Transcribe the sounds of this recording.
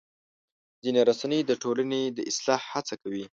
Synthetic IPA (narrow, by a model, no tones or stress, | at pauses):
zineɾasanəjd̪əʈolaned̪əʔɪslɑhhat͡sakawi